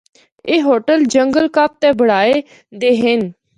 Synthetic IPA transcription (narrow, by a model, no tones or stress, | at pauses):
eːɦoːʈəld͡ʒəŋɡəlkaːp̚t̪ɛːbʱəɽ̤aːeː | d̪eːɦɪn